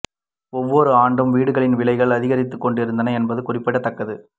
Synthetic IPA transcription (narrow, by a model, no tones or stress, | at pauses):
ɔʋːɔɾɯaːɳɖɯmʋiːɽɯɣɐɭɪnʋɪɭɐɪɣɐɭɐðɪɣɐɾɪt̪ːɯkːɔɳɖɪɾɯnd̪ɐnɐɛnbɐðɯkʊrɪpːɐɽɐt̪ːɐkːɐðɯ